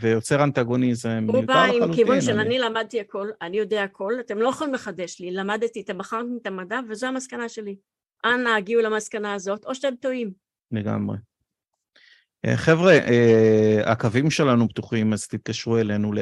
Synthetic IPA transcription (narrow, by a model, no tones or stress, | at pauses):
vejo̞t͡seʁant̪aɡo̞nizmemʁubaimukivunʃelanilamad̪̚t̪iako̞lanijo̞deaːkʰo̞lat̪emlo̞jaχolimleχad̪e̞ʃlilamad̪t̪it̪abaχaʁtit̪amadavezo̞amaskanaʃe̞li | ʔanaːɡiulamaskanaːzo̞t̪o̞ʃat̪emt̪o̞im | leɡa̰mʁḛ | ḛχevʁeʔea̰kavimʃe̞lanubt̪uχimazt̪it̪̚kaʃʁuelenule